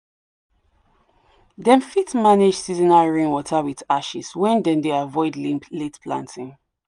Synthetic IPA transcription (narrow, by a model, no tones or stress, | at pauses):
dɛ̃nfitmaned͡ʒsizinaɹẽnwɔtʰəwiðaʃḭswɛ̃ndɛ̃ndeavɔɪdletpʰlã̰ntʰĩŋ